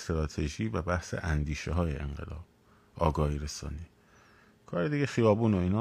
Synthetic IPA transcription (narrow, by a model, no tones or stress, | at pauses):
st̪ɾɒːt̪ʰe̞ʒiːvæbæhsḛʔænd̪iːʃeɦɒːjeʔḛŋɢḛlɒ̰ːb̥̚ | ɒːɡɒːhiːɾesɒ̰ːniː | kʰɒːɾed̪iɟe̞xijɒːbuːnoiːnɒː